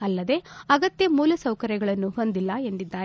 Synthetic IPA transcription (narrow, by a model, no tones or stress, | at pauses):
ɐlːɐd̪e̞ɐɡɐt̪jɐmuːlɐsɐwkɐɾjɐɡɐɭɐnːuɦo̞nd̪ilːɐe̞nd̪id̪ːaːɾ